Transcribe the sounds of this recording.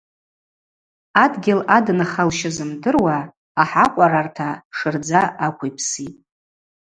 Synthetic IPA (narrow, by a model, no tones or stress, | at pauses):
adɡʲɪladnaχalʃɪzɨmdɨrwaː | ħaqʷʼaɾartʰaʂɨrd͡zaakʷʰijpʰsitʼ